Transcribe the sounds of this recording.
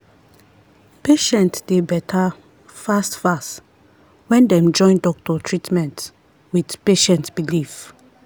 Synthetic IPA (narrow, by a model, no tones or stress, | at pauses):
peʃɛ̃ntdebɛtʰa | fastfast | wɛ̃ndɛ̃md͡ʒɔ̃ɪ̃ndɔk̚tɔtʰɹitmɛ̃nt | widpeʃɛ̃ntb̥ilif